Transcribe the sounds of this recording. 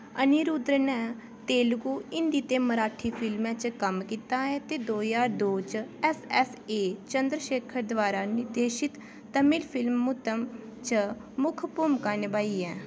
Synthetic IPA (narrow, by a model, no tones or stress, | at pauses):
əniːɾud̪ɾənɛ̃ː | t̪eːlɡuːɪnd̪iːt̪eːməɾaːʈʰiːpʰɪlmɛ̃ːt͡ʃkəmkit̪ãːɛ̃ːt̪eːd̪oːjaːɾd̪oːt͡ʃɛsɛseːt͡ʃənd̪ɾəʃeːkʰəɾd̪ʋaːɾaːnɪɾd̪eːʃɪt̪ː | əmɪlpʰɪlmːʊt̪əm | t͡ʃə | mʊkʰpuːmkaːnebaːiːɛː